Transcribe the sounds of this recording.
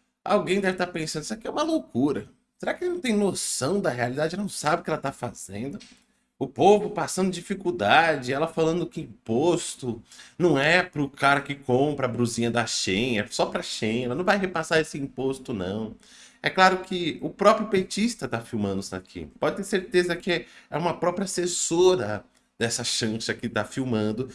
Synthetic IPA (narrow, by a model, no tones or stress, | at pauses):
a̰wɡẽj̃d̪ɛvɪt̪aɾpẽsɐ̃d̪sakiɛũmɐlokuɾɐ | seɾakɪelɪnɐ̃w̃t̪ẽj̃nosɐ̃w̃d̪ɐhealid̪ad͡ʒɪɛlɐñw̃sabɪʊkɪɛlɐt̪afa̰z̥ḛ̃nd̪ʊ | ʊpovʊpasɐ̃nd̪ʊd͡ʒifikuwd̪ad͡ʒɪɛlɐfalɐ̃nd̪ʊkɪĩpost̪ʊnɐ̃w̃ɛpɾʊkaɾɐkɪkõpɾɐːbɾuzĩɲɐd̪ɐʃẽɲɐsɔpɾɐʃẽjɛlɐnɐ̃w̃vajɦepasaɾesɪĩpost̪ʊnɐ̰̃w̃ | ɛklaɾʊkɪʊpɾɔpɾjʊpet͡ʃist̪ɐt̪afiwmɐ̃nd̪ʊsa̰kʰḭ̃pɔd͡ʒɪt̪eɾseɾt̪ezɐkɪɛɛũmɐpɾɔpɾiɐasesoɾɐ | d̪ɛsɐʃɐ̃ʃɐkɪt̪afiwmɐ̃nd̪ʊ